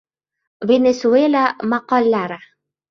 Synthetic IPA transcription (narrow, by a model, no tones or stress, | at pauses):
venesuelʲamaqɑlʲːaɾa